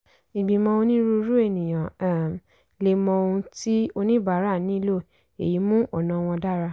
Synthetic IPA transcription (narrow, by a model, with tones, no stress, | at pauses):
i˨ɡ͡bi˨mɔ̃˧o˧nĩ˦ɾu˧˦ɾu˦e˦˨nĩ˨j̃ã˨˦˨ | le˧˨mɔ̃˧o˧ũ˧ti˦o˧nĩ˦ba˨˦ɾa˦˨nĩ˨˦i˦lo˦˨ | ḛ˨ji˨˦mũ˦ʔɔ˦˨nã˨˦˧w̃ɔ̃˧da˦˨ɾa˧